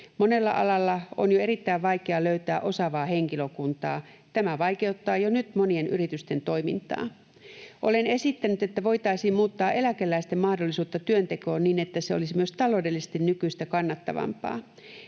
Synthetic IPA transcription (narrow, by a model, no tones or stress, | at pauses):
mone̞lːɑ̰ʔɑ̰lɑlːɑo̰njoeɾit̪ːæiʋʋɑjkeɑløyt̪æːʔo̞sɑʋɑːhe̞ŋkiløkunt̪ɑː | t̪æmæʋɑike̞ut̪ːɑːjonyt̪monie̞nʔyɾit̪yst̪e̞nt̪o̞imint̪ɑ̰ː | ʔo̞lene̞sit̪ːænyt̪e̞t̪ːæʋo̞jt̪ɑisiːmmuːt̪ːɑːʔe̞lækelːæist̪emmɑhdolːisuːt̪ːɑt̪yønt̪e̞koːnniːnet̪ːæseolisimyø̞st̪ɑlo̞ːdelːise̥st̪innykyst̪ækɑnːɑt̪ːɑ̰ʋɑ̰mpɑ̰ː